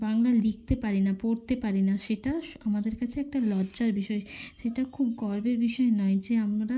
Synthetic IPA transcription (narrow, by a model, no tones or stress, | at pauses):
baŋlalik̚ʰt̪epaɾinapoɾt̪epaɾinaʃeʈaʃamad̪eɾkat͡ɕʰeɛk̚ʈalɔd͡ʑaɾbiʃɔeʃeʈakʰubɡɔɾbeɾbiʃɔenɔed͡ʑeamɾa